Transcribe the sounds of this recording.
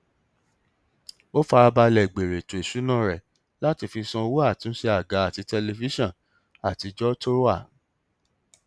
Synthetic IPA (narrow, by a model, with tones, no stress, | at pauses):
o˦fa˧ɾa˧ba˧lɛ˨ɡ͡be˨ɾe˨to˨e˨ʃu˨˦nã˦˨ɾɛ˨ | la˦ti˧fi˧sɔ̃˧o˧wo˦a˦˨ti˨˦n̩˦ʃe˧a˨ɡa˨˦a˦˨ti˨˧tɛ˧le˧fi˦ʃɔ̃˦˨ | a˨ti˨˧d͡ʒɔ˦to˦ɾo˦a˦˨